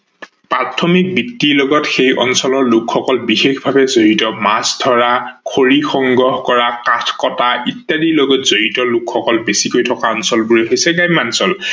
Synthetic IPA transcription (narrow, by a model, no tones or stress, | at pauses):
pɹatʰɔmik̚bitːilɔɡɔtxejʔɔ̰nsɔlɔɹlʊkʰxɔkɔlbixexbʱabɛzoɦitɔmasdʱɔɹakʰoɹixɔŋɡɹɔhkɔɹakatʰkɔtaitːadiloɡɔtz̥oɦitɔlʊkʰxɔkɔlbesikojtʰɔkaɔnsɔlbʊɹojɦojsɛɡajmansɔl